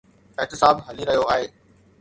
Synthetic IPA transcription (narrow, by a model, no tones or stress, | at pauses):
ɪɦt̪ɪsaːbɦɐliɾɐɦijoaːɦeː